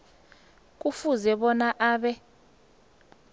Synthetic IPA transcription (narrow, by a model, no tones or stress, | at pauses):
k̬ʼufuzɛɓɔnaʔaːɓɛ